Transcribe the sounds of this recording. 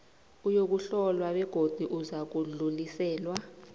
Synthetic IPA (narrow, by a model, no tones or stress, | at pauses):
ujok̬uɬɔlwaɓɛɡ̥ʱod̥ʱuʔuzak̬ululisɛːlwa